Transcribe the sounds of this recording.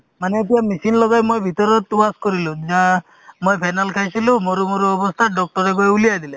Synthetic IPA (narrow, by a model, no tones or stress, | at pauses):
maneːt̪̬iamisinlɔɡajmojbʱit̪ɔɾɔt̪uaskɔɾilũd͡ʒa | mojpʰajnalkʰajsilũmoɾumoɾuɔbɔst̪ʰaɖɔk̚ʈɔɾeɡoeulijajd̪ile